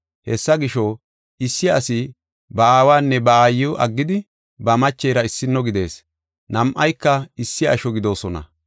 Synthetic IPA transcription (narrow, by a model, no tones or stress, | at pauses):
hɛsːɐɡɪʃɔ | ɪsːɪɐsɪ | bɐaːwaːnːɛbɐaːjːʊʔɐ̰ɡːɪd̪ɪ | bɐmɐt͡ʃːejɾɐɪsːɪnːɔɡɪd̪e̞̰ːs | nɐmʔɐjkːɐɪsːɪɐ̰ʃɔɡɪd̪o̞ːsɔnɐ̰